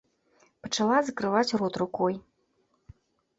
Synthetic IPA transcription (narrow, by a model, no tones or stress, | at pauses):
pɐt͡ʂalˠazɐkɾɨvat͡sʲrɔt̪rukɔj